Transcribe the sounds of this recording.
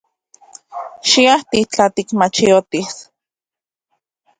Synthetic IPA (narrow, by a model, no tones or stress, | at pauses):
ʃiaht̪it͡ɬat̪ikmat͡ʃiot̪is